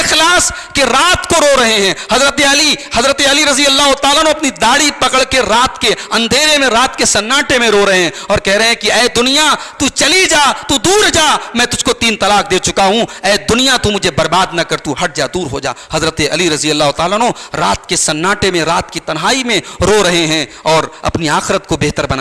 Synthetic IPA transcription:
xlaːs | keɾaːt̪koɾoːɾɐɦeɦɛ̃ːhɐzɾət̪eɐlihɐzɾət̪eɐliɾɐzijəlːaːɦʊt̪aːlaːnoɐpnid̪aːɽipɐkəɽkeɾaːt̪keɐ̃nd̪ʱeːɾemẽɾaːt̪kesɐnːaːʈemẽɾoːɾɐɦeɛ̃ɔːɾkɛɦɾɐɦeɦɛ̃kiɛːd̪ʊnijat̪ut͡ʃɐlid͡ʒaːt̪ud̪uːɾd͡ʒaːmɛ̃ːt̪ʊd͡ʒʱkot̪iːnt̪ɐlaːkd̪eːt͡ʃʊkaɦũɛːd̪ʊnijat̪umʊd͡ʒʱebɐɾbaːd̪nɐkɐɾt̪uɦɐʈ̚d͡ʒaːd̪uːɾɦod͡ʒa̰ːhɐzɾət̪eɐliɾɐzijɐlːaːɦʊt̪aːlaːnõɾaːt̪kesɐnːaːʈemẽɾaːt̪kit̪ɐnɦaːimẽɾoɾɐɦeɦɛ̃ɔːɾɐ̰pniaːxɪɾət̪kobeɦt̪əɾbɐna

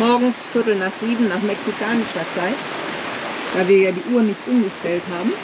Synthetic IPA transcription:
mɔɐɡŋ̩sfɪɐtl̩naːχz̥iːbm̩naːχmɛksikʰaːnɪʃɐt͡saɪt | d̥aːviːɐjaːdiːʔuːɐnɪçtʔʊmɡəʃtɛltɦaːbm̩

